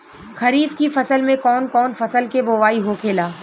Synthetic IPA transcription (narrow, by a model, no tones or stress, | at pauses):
kʰɐɾiːfkifɐsəlmẽkɔːnkɔːnfɐsəlkeboːʋaːiɦokʰeːlaː